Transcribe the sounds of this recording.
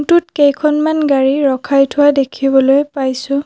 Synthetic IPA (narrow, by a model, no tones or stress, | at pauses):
tutkejkʰɔnmanɡaɹiɹɔkʰajtʰʊwadekʰibɔlojpajsʊ̃